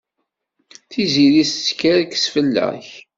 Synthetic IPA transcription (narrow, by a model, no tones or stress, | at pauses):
θiziɾist͡sːkæɾkə̥sfəlːæ̰ç